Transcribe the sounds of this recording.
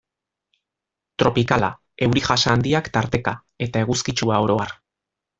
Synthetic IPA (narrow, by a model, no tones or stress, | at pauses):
t̪ɾo̞pikala̰ | e̞wɾiʝasaːnd̪iakt̪aɾt̪e̞ka | e̞t̪ae̞ɣuskit͡ʃuaoɾo̞aɾ